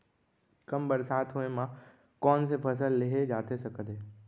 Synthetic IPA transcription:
kɐmbəɾsaːt̪ʰɦuemã | kɔːnsepʰɐs̬əlːɪɦed͡ʒaːt̪ʰesɐkʰəd̪eː

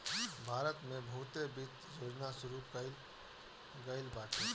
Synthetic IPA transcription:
bʱaːɾət̪mẽbʱut̪ebit̪d͡ʒʱod͡ʒnasʊɾukəl | ɡəɪlbaʈʰe

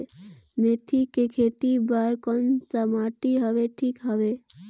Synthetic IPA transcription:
met̪ʰikekʰeːt̪ibaːɾkɔnsəmaːʈiɦəʋeʈʰiːkɦəʋe

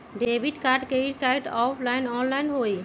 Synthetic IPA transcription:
ɖebʱiʈkaːɾɖkeikaɪɖɔːpʰlaɪnɔːnlaɪnɦoːi

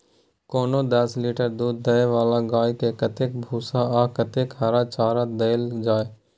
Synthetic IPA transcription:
koːnoːd̪ɐsliːʈəɾd̪uːd̪ːəeʋaːlaɡaːikekɐt̪eːk̚bʱuːsaaːkɐt̪eːkɦaɾat͡ʃaːɾad̪eːld͡ʒaːeː

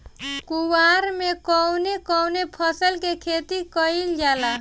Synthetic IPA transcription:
kuwaɾmekɔwnekɔwnepʰəsəlkekʰet̪ikəild͡ʒala

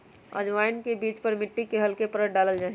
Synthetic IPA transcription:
ə̰d͡ʒʋaːɪnkebiːt͡ʃpɐɾmɪʈːikeɦɐlkepəɾəʈ̚ɖaːləld͡ʒaːɦ

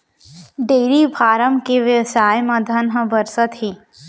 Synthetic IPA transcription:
ɖeːɾibʱaːɾəmkeʋjɐʋsaːjmɐ̃d̪ʱɐnɦəbɐɾsət̪ɦiː

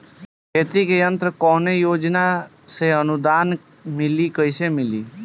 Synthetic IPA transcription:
ket̪ikjənt̪ɾəkɔnejoːd͡ʒna | seənud̪an | mɪlikəiʃemɪli

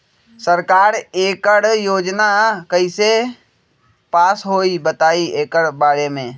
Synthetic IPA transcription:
səɾkaːɾeːkəɽjoːd͡ʒnakəise | paːsɦoːibət̪aːieːkəɽbaːɾemẽː

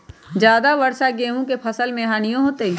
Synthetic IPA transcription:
d͡ʒjaːd̪aʋɐɾʃaɡeːɦũkepʰɐsəlmẽɦaːnijõɦoːt̪eː

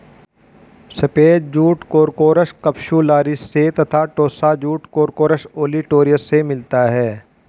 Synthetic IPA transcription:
sɐpeːt̚d͡ʒuːʈkoːɾkoːɾəʃkɐpʃulaːɾɪsset̪ɐt̪ʰaːʈoːsad͡ʒuːʈkoːɾkoːɾəʃoːliʈoːɾijəsemɪlt̪aɦɛː

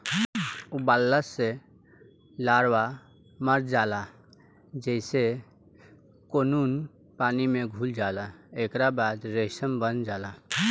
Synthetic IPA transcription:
ubalːəse | laːɾwa | məɾd͡ʒaːla | d͡ʒɛɪse | koːnuːn | paːnimeɡʱuld͡ʒaːlaekɾabaːd̪ɾesəmbənd͡ʒaːla

